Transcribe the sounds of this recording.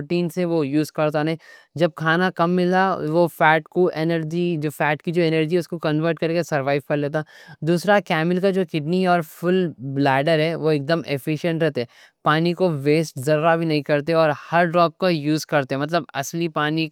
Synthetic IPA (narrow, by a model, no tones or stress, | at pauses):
oʈiːnseʋojuːzkɐɾt̪anɐɦĩ | d͡ʒɐb̚kʰaːnakɐmːɪlaʋofɛːʈkoʔenəɾd͡ʒid͡ʒoːfɛːʈkid͡ʒoːenəɾd͡ʒiɦɛʊskokɐ̃nʋəɾʈkɐɾekesɐɾʋaːɪʋkɐɾleːt̪̬ad̪uːsɾakɛːmɪlkad͡ʒoːkɪɖniɦɛɔːɾfʊlblɛːɖəɾɦɛʋoek̚d̪əmefɪʃə̃ɳʈɾɛɦt̪eɦɛ | paːnikoʋeːsʈzɐɾːabʱinɐɦĩkɐɾt̪̬eɔːɾhɐɾɖɾɔːp̚kajuːzkɐɾt̪eɦɛ̃mɐt̪̬ləbɐslipaːni